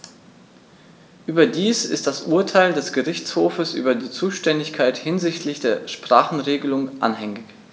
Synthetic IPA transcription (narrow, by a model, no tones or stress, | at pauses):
ʔyːbɐdiːsɪ̰st̚d̥asʔuːɐtʰaɪldɛsɡ̥əʁɪçt͡shoːfəsʔy̰ːbɐdiːt͡suːʃtɛndɪçkʰaɪthɪnzɪçtʰlɪçd̥eːɐʃpʁ̥aːχn̩ʁeːɡəlʊŋʔa̰nhɛŋɪç